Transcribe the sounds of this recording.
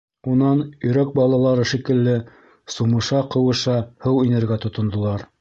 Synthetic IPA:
unɑnɵ̆jɾæk̚bɑlˠɑlˠɑɾɤʃikɘ̆lːɘ | sumɤ̆ʃɑqɤ̆wɤ̆ʃɑhɤwinɘ̆ɾɡæt̪ŏt̪ŏnd̪ŏlˠɑɾ

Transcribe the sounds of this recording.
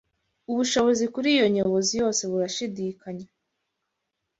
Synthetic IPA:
uβuʃo̞βo̞zikuɾijo̞ɲoβo̞zijo̞ːse̞βuɾaʃidiːkaɲa

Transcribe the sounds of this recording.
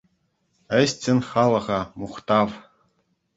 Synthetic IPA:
ɘ̆ɕtʲɘ̆nʲχɑlˠɤ̆ʁɑmuχt̪ɑʋ

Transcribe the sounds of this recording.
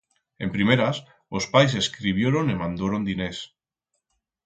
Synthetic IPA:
empɾimeɾas | ospajs̬eskɾiβjeɾonemãnd̪oɾond̪ines

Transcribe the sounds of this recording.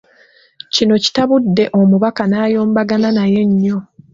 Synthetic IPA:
cino̞ci̥taβudːe̞ʔo̞muβakanaːjo̞ːmbaɡananaje̞ɲːo̞

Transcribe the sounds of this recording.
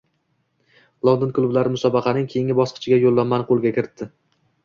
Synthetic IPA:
lˠond̪ɪnklˠʊblaɾɪmʊsɒbɑqʰɑnɪŋkʲʰejɪŋʲɪbɒsqʰɨ̥t͡ʃʰɪɡʲajolˠːamːanɪqʰolˠɡʲakʲɪɾɪt̪ʰːɪ

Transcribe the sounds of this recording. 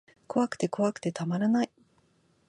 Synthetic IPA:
ko̞βakɯ̟̥t̪e̞ko̞βakɯ̟̥t̪e̞t̪amaɾanai

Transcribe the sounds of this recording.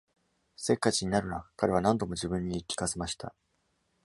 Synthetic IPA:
se̞kːat͡ɕiɲ̟inaɾɯ̟nakaɾe̞β̞anãnd̪o̞mo̞ʑibɯ̟̃ɲ̟ːiːkʲːi̥kase̞maɕi̥t̪a̰

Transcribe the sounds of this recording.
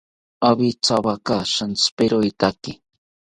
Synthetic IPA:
aβit͡sabakaʃanspeɾojt̪akɪ

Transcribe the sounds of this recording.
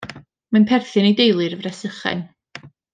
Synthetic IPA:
manpʰɛrθɨnejdejlˠɨrəvrɛsəχɛ̰n

